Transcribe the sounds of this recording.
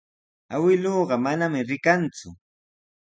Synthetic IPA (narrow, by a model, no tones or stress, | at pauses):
awɪloːɢɑmanamɪɾɪkant͡sʊ